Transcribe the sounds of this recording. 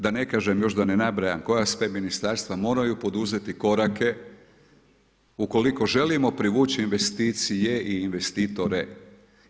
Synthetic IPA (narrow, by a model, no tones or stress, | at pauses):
d̪ane̞kaːʒemjo̞ʒd̪anenabɾajanko̞jasʋeminist̪aɾst̪ʋamo̞ːɾajupo̞d̪uze̞t̪iko̞ɾake̞ | uko̞liko̞ʒe̞limo̞pɾiʋuːt͡ɕiːnʋe̞st̪iːt̪sijeʔiːnʋe̞st̪iːt̪o̞ɾe